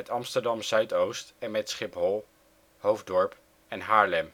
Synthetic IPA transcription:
ɛtɑmstəɹdɑmzœɥtowstɛnmɛtsχɪpɦɔlˠ | howvdɔɹp | ɛnɦaːɹlɛm

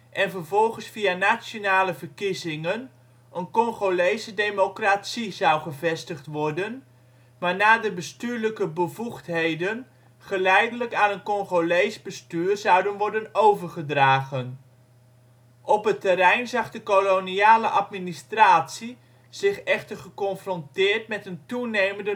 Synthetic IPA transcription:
ʔɛnvərvɔlˠχənsfijanasjonaːləvəɹkizɪŋən | ʔənkɔnχolejsədejmokratsizɑwχəvɛstəχtʋɔɹdən | maːɹnaːdəbəstyːɹləkəbəvuχtɦejdən | χəlɛjdələkaːnənkɔnχolejzbəstyːrzʌwdənʋɔɹdənowvəɹχədraːχən | ʔɔpɦətəɾɛjnzɑχdəkoloniaːləʔɑtministraːtsi | z̥ɪχɛχtəɹχəkɔnfrɔntɪːɹtmɛtəntunejməndə

